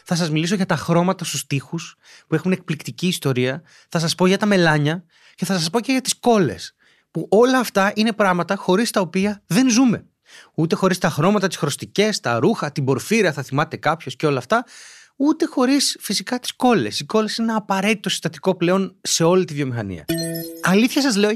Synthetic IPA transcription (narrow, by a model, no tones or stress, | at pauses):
θɐs̬ɐzmilis̬oʝɐt̪ɐxɾo̞mɐt̪ɐst̪ust̪ixus | pue̞xune̞k̚plikt̪iciːst̪o̞ɾiɐ | θɐs̬ɐspo̞ʝɐt̪ɐme̞lɐɲɐ | ce̞θɐsɐs̬po̞ce̞ʝɐt̪i̥sko̞le̞̰s | puʔo̞lɐːft̪ɐʔine̞pɾɐɣmɐt̪ɐxo̞ɾist̪ɐopiɐðe̞nzume̞ | ut̪e̞xo̞ɾist̪ɐxɾo̞mɐt̪ɐt̪i̥sxɾo̞st̪ice̞st̪ɐɾuxɐt̪ibo̞ɾfiɾɐθɐθimɐt̪e̞kɐpço̞sce̞o̞lɐːft̪ɐ | ut̪e̞xo̞ɾisfisikɐt̪i̥sko̞le̞siko̞le̞sinenɐːpɐɾe̞t̪it̪osi̥st̪ɐt̪iko̞ple̞o̞nse̞o̞lit̪ivjo̞mixɐnḭɐ̰ɐliθçɐsɐzle̞o